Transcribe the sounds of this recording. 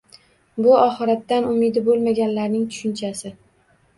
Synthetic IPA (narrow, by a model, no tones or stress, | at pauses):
bʊɒχɨɾat̪ːanʊmɪd̪ɪbolˠmaɡʲanlaɾnɪŋt̪ʰʊ̥ʃɪnt͡ʃʰasɪ